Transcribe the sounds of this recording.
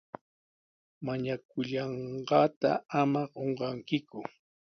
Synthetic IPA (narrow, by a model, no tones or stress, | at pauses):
maɲak̚ʊʎɑɴɢɑːt̪a̰amaɢoɴɢɑŋkɪkʊ